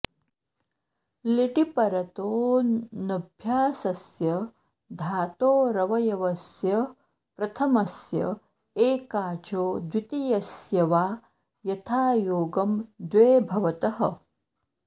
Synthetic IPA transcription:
liʈipɐɾɐt̪oːnɐbʱjaːsɐsjɐ | d̪ʱaːt̪oːɾɐʋɐjɐʋɐsjɐ | pɾɐt̪ʰɐmɐsjɐ̰ | eːkaːt͡ʃoːd̪wit̪ijɐsjɐʋaː | jɐt̪ʰaːjoːɡɐmd̪ʋeːbʱɐʋɐt̪ɐɦɐ̰̆

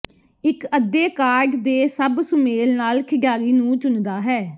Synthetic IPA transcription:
ɪkəd̪eːkaːɾɖd̪eːsəbsʊmeːlnaːlkʰɪɡjaːɾiːnũːt͡ʃʊnd̪aːɦɛː

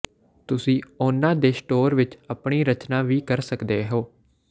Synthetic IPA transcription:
t̪ʊsĩːʊnãːd̪eːsʈoːɾʋɪt͡ʃəpɳiːɾət͡ʃnaːʋiːkəɾsəkd̪eːɦoː

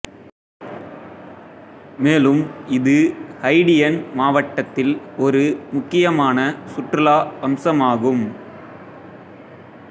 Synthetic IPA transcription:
meːlɯmɪðɯhɐɪɽɪjɛnmaːʋɐʈːɐt̪ːɪlɔɾɯmʊkːɪjɐmaːnɐsʊʈrɪlaːɐmsɐmaːɣɯm

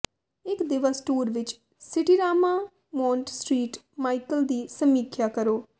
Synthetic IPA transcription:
ɪkd̪ɪʋaːsʈuːɾʋɪt͡ʃ | sɪʈiːɾaːmaː | mɔ̃ːɳʈsʈɾiːʈ | maːikəld̪iːsəmiːkʰjaːkəɾoː

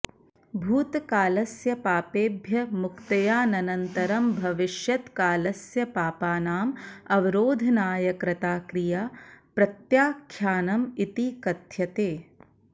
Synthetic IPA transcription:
bʱuːt̪kaːlɐsjɐpaːpeːbʱjɐmukt̪ɐjaːnɐnɐnt̪ɐɾɐmbʱɐʋɪʃjɐt̪kaːlɐsjɐpaːpaːnaːmɐʋiɾoːd̪ʱɐnaːjɐkɾɐt̪aːkɾijaːpɾɐt̪jaːkʰjaːnɐmit̪ikɐt̪jɐt̪eː

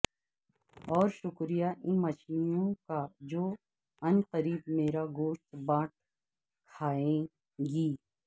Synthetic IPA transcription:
ɔːɾʃʊkɾijaʔɪnmɐʃinõkad͡ʒoː | ɐnqəɾiːbmeːɾaɡoːʃt̪baːʈ̚ | kʰaːẽ | ɡiː

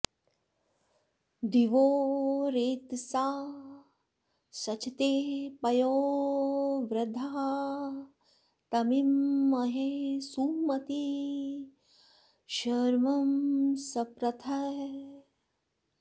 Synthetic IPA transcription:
d̪iʋoːɾeːt̪saː | sɐt͡ʃit̪eːpɐjoː | ʋɾɐd̪ʱaɦ | t̪ɐmimːɐɦesuːmɐt̪i | ʃɐɾmɐmsɐpɾɐt̪ʰɐ

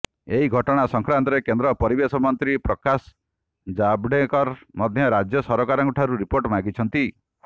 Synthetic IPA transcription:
eɦiɡʱɔʈɔɽ̃asɔŋkɾant̪ɔɾekend̪ɾɔpɔɾibesɔmɔnt̪ɾipɾɔkas | d͡ʒabɽekɔɾmɔd̪ʱjɔɾad͡ʒjɔsɔɾɔkaɾɔŋɡuʈʰaɾuɾipoɾʈmaɡit͡ʃʰɔnt̪i

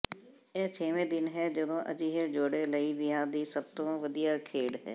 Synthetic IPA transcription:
ɛːt͡ʃʰeːʋẽːd̪ɪnɦɛːd͡ʒəd̪õːʔə̰d͡ʒiːɦed͡ʒoːɽeːləiːʋɪãːd̪iːsəb̚t̪õːʋəd̪ijaːkʰeːɽɦɛ̰ː

